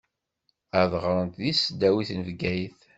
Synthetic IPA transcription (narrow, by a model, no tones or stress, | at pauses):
əʕðʁɾˤənt̪ðisəd̪ːæwiθnvɡæjθ